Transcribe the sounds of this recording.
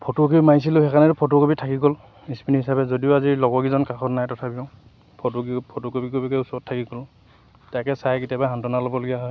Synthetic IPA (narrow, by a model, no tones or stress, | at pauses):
pʰɔtokimajs̬ilʊhɛkanɛtʊpʰɔt̬okobitʰakiɡɔl | ispinihisabɛzodiʊazilɔɡɔɡizɔnkaxɔtnajtɔtʰabiɔ̃ | pʰɔtoɡipʰotokobikobikeusɔtʰːakiɡɔl | tajkɛsajketjabaɦantɔnalɔbɔloɡijaɦɔj